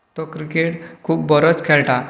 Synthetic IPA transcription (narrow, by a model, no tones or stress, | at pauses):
t̪ɔkɾikeʈkʰuːpbəɾət͡skʰelʈa